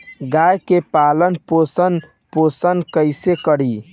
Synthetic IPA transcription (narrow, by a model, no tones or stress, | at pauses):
ɡajkepalənposən | posənkəɪsekəɽi